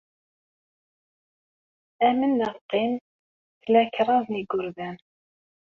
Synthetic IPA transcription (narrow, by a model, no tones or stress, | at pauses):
æmənːəˤt̪ːin | θlæçɾˤɑðˤniɡːʊɾðæn